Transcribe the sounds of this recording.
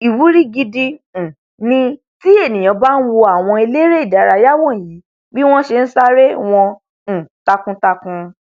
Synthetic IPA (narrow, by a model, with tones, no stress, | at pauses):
i˨wu˨˦ɾi˦ɡi˧di˧˨ | nĩ˧ | ti˦e˦˨nĩ˨j̃ã˨˦ba˦n̩˦wo˧a˦˨w̃ɔ̃˧e˧le˦ɾe˦i˦˨da˨ɾa˧ja˦wɔ̃˦˨ji˨˦ | bi˦w̃ɔ̃˦ʃe˧n̩˦sa˦ɾe˦w̃ɔ̃˧˨ | ta˧kũ˧ta˧kũ˧